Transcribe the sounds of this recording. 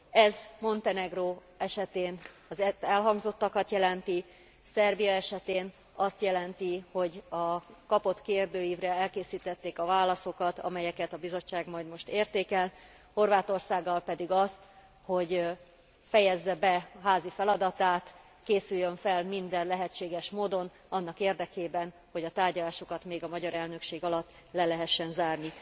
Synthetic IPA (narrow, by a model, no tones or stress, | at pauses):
ɛzmo̞nt̪ɛnɛɡroː | ɛʃɛt̪eːn | ɒzɛɛlɦɒŋɡzo̞t̪ːɒkɒt̪jɛlɛnt̪i | sɛrbijɒɛʃɛt̪eːn | ɒst̪jɛlɛnt̪iho̞ɟɒkɒpo̞t̪keːrd̪øːjiːvrɛɛlkeːsiːt̪ɛt̪ːeːkɒvaːlːɒso̞kɒt̪ɒ̰mɛjɛkɛt̪ɒbizo̞t͡ʃːaːɡmɒjd̪mo̞ʃt̪eːrt̪eːkɛl | ho̞rvaːt̪o̞rsaːɡːɒlpɛd̪iɡɒst̪ | ho̞ɟ | fɛjɛzːɛbɛɦaːzifɛlɒd̪ɒt̪aːt̪ | keːsyjːøɱfɛlmind̪ɛnlɛɦɛt͡ʃːeːɡɛʃmoːd̪o̞n | ɒnːɒkeːrd̪ɛkeːbɛn | ho̞ɟɒt̪aːrɟɒlaːʃokɒt̪meːɡɒmɒɟɒɾɛlnø̞kʃeːɡɒlɒt̪ː | lɛlɛɦɛʃːɛnzaːrni